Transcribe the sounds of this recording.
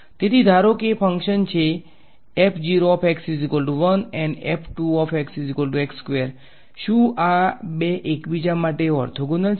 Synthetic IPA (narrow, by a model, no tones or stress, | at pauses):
t̪et̪id̪ʱaɾokepʰəŋkʃənt͡ʃʰe | epʰd͡ʑiɾoɔpʰeksizikəlʈuʋənɛ̃ɳɖɛpʰʈuɔpʰeksizikəlʈuekskʋeɾ | ʃuabeʔekbid͡ʒamaʈeɔ̰ɾt̪ʰoɡunəl